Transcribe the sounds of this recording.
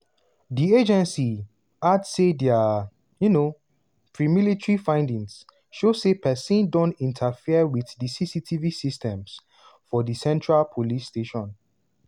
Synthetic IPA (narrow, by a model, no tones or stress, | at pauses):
died͡ʒɛ̃nsi | adsedɛa | juno | pʰɹimilitɹifãɪ̃ndĩŋs | ʃosepʰɛsĩndɔ̃ntĩntʰafiəwiθdisisitʰivisistʰɛ̃ms | fɔdisɛ̃ntɹalpʰolisteʃɔ̃n